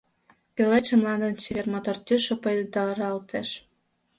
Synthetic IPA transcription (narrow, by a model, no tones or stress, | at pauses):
pʲeleʃə̆mlˠɑnd̪ənt͡ɕiβʲermot̪ort̪yʃopɤjd̪ed̪ɑɾɑlt̪ʰeʃ